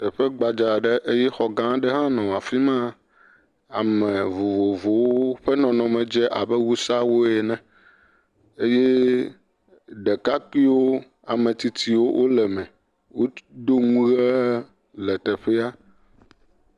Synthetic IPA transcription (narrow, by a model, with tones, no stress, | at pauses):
t̪ɛ˨ɸɛ˦ɡ͡ba˨d͡ʒa˨ɖe˦ʔe˦jɛ˦xɔ˨ɡã˦ɖɛ˦ɦã˦nɔ̃˨a˨fi˦mã˦ | a̰˨mɛ̃˨vo˨vo˨vo˨wo˦ɸɛ˦nɔ̃˨nɔ̃˨mɛ̃˨d͡ʒɛ˦ʔa˨bɛ˦wu˦sa˦wo˦jɛ˨nɛ̃˨ | e˦jɛ˦ | ɖɛ˨ka˦ki˦wo˦ | a˨mɛ̃˨t̪i˨t̪i˨wo˦wʔo˦lɛ˨mɛ̃˨ | wo˦ɖ̪o˦ŋũ˦ɣɛ˦ | lɛ˨t̪ɛ˨ɸɛ˦a˦